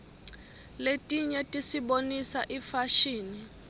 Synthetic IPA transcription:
letʼiɲɛtʼisiɓonisaʔifaʃiːni

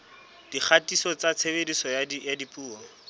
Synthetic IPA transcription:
d̥ik͡xʰatʼisɔt͡sat͡sʰebedisɔjajadipʼuːɔ

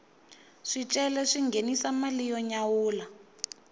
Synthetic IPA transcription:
ʂit͡ʃʼɛlɛʂiŋɡʱenisamalijɔɲawuːla

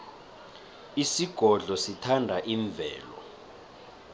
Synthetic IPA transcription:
isiɡ̥ʱɔɮɔsitʰandʱaʔiɱvʱɛːlɔ̰

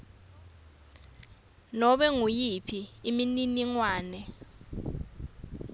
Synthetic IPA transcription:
nɔɓɛŋujipʰiːmininiŋwaːnɛ

